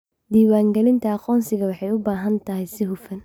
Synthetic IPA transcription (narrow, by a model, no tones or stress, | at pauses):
d̪iːwaːŋɡɛlɪnt̪ʰɐːqɔːnsɪɣɐwɑħɑjʊbaːɦɐnt̪ʰɐɦɛjsɪɦʊfɐn